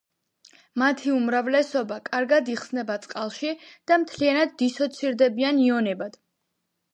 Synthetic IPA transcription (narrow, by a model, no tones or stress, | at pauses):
mat̪ʰiumɾavlɛsɔbakʼaɾɡad̪iχsnɛbat̪sʼqʼalˠʃid̪̥amt̪ʰlianad̪ːisɔt̪sʰiɾd̪ɛbianiɔnɛbad̪̥